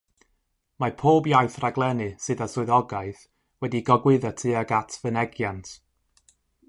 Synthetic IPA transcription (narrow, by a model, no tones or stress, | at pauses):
mapʰoːbjajθraɡlˠɛnɨsɨðasʊɨðɔɡaɨθ | wɛdiɡɔɡwɪðɔtʰɨːaɡatʰvənɛɡjantʰ